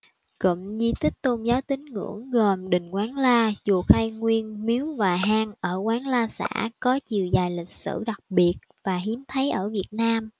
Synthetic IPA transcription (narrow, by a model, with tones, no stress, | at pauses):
kə̰˧˨˩mzi˧t̪ʰï˦˥k̟̚t̪o˧nzaː˨˦wt̪ï˨˦ŋ̟ŋɨ̰˧˩˥əŋɣə˨˩mɗï˨˩ŋ̟kwaː˨˦nlaː˧t͡ɕu˨˩ək̚ha˧jŋwi˧ənmi˨˦wvaː˨˩ɦaː˧ŋʔəː˧˩kwaː˨˦nlaː˧sa̰ː˧˥kɔ˨˦t͡ɕi˨˩əwzaː˨˩jlï˨˩k̟̚sɨ̰˧˩ɗa˨˩k̚ɓi˨˩ət̚vaː˨˩ɦi˨˦əmt̪ʰə˨˦jʔəː˧˩vi˨˩ət̚naː˧m